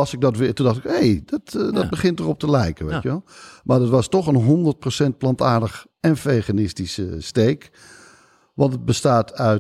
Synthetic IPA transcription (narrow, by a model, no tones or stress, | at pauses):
sɪɡ̚dɔtʋɪtundɑxtɪkhejdɔtdɔbəχɪntərɔp̚təlɛjkəʋeʋelˠmadɔtʋɔstɔxənɦondərt̚prosɛnt̚plɑntaːrdəx | ɛnfeχanɪstisəsteːk | ʋɑntət̚bəstaːtœ